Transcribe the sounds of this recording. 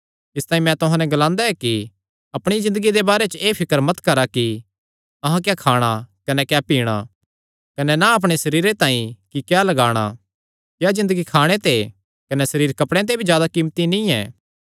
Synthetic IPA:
ɪst̪aːĩmɛ̃t̪ʊɦãːnɛ̃ɡɐlãːnd̪aɛki | ɐpɽ̃izɪ̃nd̪əɡid̪ebaːɾet͡ʃeːpʰɪkəɾmɐt̪kɐɾaki | ɐɦãk̬jakʰaːɽ̃akɐnɛkjapiːɽ̃a̰ | kɐnɛnaɐp̬ɽ̃esɐɾiːɾet̪ãːĩkikjalɐɡaːɽ̃a̰ | kjazɪ̃nd̪əɡikʰaːɽ̃et̪e | kɐnɛsɐɾiːɾkɐpɽ̃ẽt̪̬ebʱid͡ʒjaːd̪akiːmt̪inĩɛ̰̃ː

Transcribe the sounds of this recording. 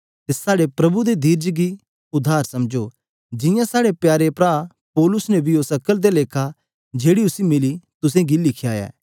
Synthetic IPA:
t̪esaːɽepɾɐbud̪ed̪iːɾd͡ʒɡi | ʊd̪ʱːaːɾsɐmd͡ʒo | d͡ʒɪ̃jãsaːɽepjaːɾepɾaː | pɔːlʊsnebʱioːsɐkːəld̪eleːkʰa | d͡ʒeːɽiʊsimɪlit̪ʊsẽɡilɪkʰjaːja̰ː

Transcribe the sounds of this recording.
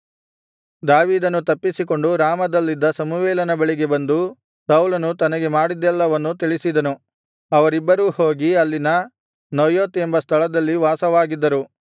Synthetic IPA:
d̪aːʋiːd̪ɐnːut̪ɐpːisiko̞ɳɖuɾaːmɐd̪ɐlːid̪ːɐsɐmuʋɛːlɐnɐbɐɭiɡe̞bɐnd̪u | sɐwlɐnut̪ɐnɐɡe̞maːɽid̪ɛlːɐʋɐnːut̪̬iɭisid̪ɐnu | ɐʋɐɾibːɐɾuːhoːɡiɐlːinɐ | nɐjoːt̪e̞mbɐst̪ʰɐɭɐd̪ɐlːiʋaːsɐʋaːɡid̪ːɐɾu

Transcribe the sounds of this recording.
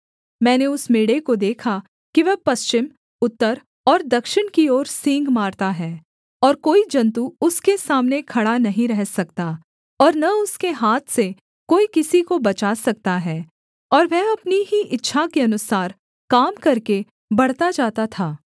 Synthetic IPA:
mɛ̃ːneʊsmeːɽekod̪eːkʰa | kiʋɛpɐst͡ʃɪm | ʊt̪ːəɾ | ɔːɾd̪ɐkʃɪɽ̃kiɔːɾsɪ̃ŋɡmaːɾt̪aɦɛː | ɔːɾkoːid͡ʒɐ̃nt̪uʊskesaːmnekʰɐɽanɐɦĩɾɛɦsɐk̚t̪a | ɔːɾnɐʊskeɦaːt̪ʰse | koːikɪsikobɐt͡ʃaːsɐk̚t̪aɦɛː | ɔːɾʋɛɦɐpniɦiʔɪtːʃʰakeɐnʊsaːɾ | kaːmkɐɾke | bɐɽt̪ad͡ʒaːt̪at̪ʰaː

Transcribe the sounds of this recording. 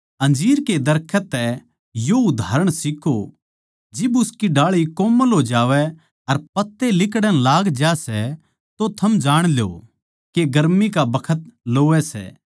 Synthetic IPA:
ɐ̃nd͡ʒiːɾked̪ɐɾkʰət̪ːɛ | joʊd̪ʱaːɾəɽ̃sɪkʰo | d͡ʒɪbʊskiɖaːɭikoːməlɦod͡ʒaːʋɛ | ɐɾpɐt̪ːelɪkɽənlaːɡd͡ʒasɛ | t̪ot̪ʰɐmd͡ʒaːɽ̃ljo̰ | keɡɐɾmikabɐkʰət̪loːʋɛsɛ̰ː

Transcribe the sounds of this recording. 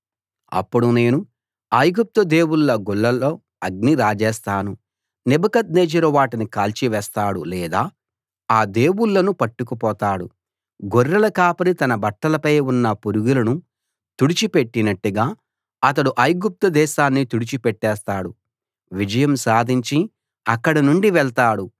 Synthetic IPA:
ɐ̰pːuɽune̞ːnu | ɐjɡup̚t̪ɐd̪e̞ːwuɭːɐɡuɭːɐloː | ɐɡ̚niɾaːd͡ʒɛːst̪aːnu | nibɐkɐd̪̚neːd͡ʒɐɾuʋaːʈinikaːlt͡ʃiʋɛːst̪aːɽṵlɛːd̪aː | aːd̪e̞ːwuɭːɐnupɐʈːukupɔːt̪aːɽu | ɡoɾːɐlɐkaːpɐɾit̪ɐnɐbɐʈːɐlɐpɐjunːɐpuɾuɡulɐnu | t̪uɽit͡ʃipeʈːinɐʈːuɡaː | ɐt̪̬ɐɽuʔɐjɡup̚t̪ɐd̪ɛːʃaːnːit̪uɽit͡ʃipeʈːɛːst̪aːɽu | ʋid͡ʒɐjɐmsaːd̪ʱiɲt͡ʃi | ɐkːɐɽɐnuɳɖiʋɛɭt̪aːɽu

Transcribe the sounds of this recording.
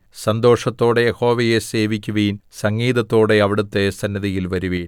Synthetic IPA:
sɐnd̪o̞ːʂɐt̪ːo̞ːɽe̞jeho̞ːʋɐjese̞ːʋikʲːuʋejinsɐŋɡiːðɐt̪ːo̞ːɽe̞ɐʋiɽut̪ːe̞sɐnːjɐðijilʋɐɾuʋeːɳ

